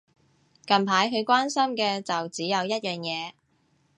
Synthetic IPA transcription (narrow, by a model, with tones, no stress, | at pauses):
kɐ˨mpʰaː˨˥jkʰɵ˨˧ɥkʷwaː˥nsɐ˥mkɛː˧t͡sɐ˨wt͡siː˨˥jɐ˨˧wjɐ˥t̚jœː˨˩ŋjɛː˨˧